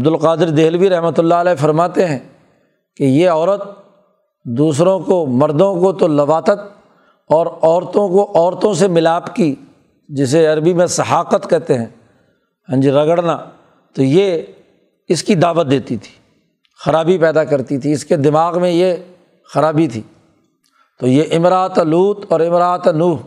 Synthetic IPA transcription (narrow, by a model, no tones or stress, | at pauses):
ɐbd̪ʊlqaːd̪ɪɾd̪eːlʋiɾɐɦmət̪ʊlːaəlɛːfɐɾmaːt̪eɦɛ̃ː | kejeɔːɾət̪̚ | d̪uːs̬ɾõkomɐɾd̪õkot̪olɐʋaːt̪ət̪̚ | ɔːɾɔːɾt̪õkoʔɔːɾt̪õsemɪlaːpki | d͡ʒɪs̬eɐɾbimẽsɐɦaːqət̪kɛɦt̪eɦɛ̃ː | hə̃nd͡ʒiɾɐɡəɽnaː | t̪oje | ɪskid̪aːʋət̪̚d̪eːt̪it̪ʰi̥ː | xɐɾaːbipɛːd̪akɐɾt̪it̪ʰiɪsked̪ɪmaːɣmẽje | xɐɾaːbit̪ʰiː | t̪ojeʔɪmɾaːt̪luːt̪ɔːɾɪmɾaːt̪nuːɦ